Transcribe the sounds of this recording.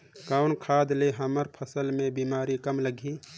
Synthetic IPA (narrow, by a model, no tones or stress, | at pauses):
kaʊnkʰaːd̪leɦəməɾpʰəsəlmẽbimaːɾikəmləɡʱiː